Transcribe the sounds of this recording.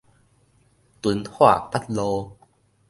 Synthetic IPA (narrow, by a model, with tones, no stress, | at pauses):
t̪u˨˦nhwa̰˥˧˨pa˦˥t̚lo˧